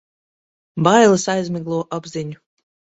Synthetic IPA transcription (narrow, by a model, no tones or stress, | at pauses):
bajlˠɨsajzʲmʲiɡlˠuɔʔabzʲiɲu